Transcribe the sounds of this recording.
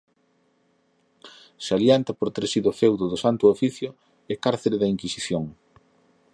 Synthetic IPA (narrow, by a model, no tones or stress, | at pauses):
saljant̪apoɾt̪eɾsiðʊfewðoðʊsant̪ʊofiθjʊ | ɪkaɾθeɾeðɐiŋkisiθjoŋ